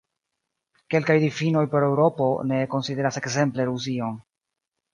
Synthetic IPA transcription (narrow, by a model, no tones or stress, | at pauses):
ke̞lkajdifino̞jpo̞ɾe̞wɾo̞po̞ne̞ko̞nside̞ɾase̞kse̞mple̞ɾus̬io̞n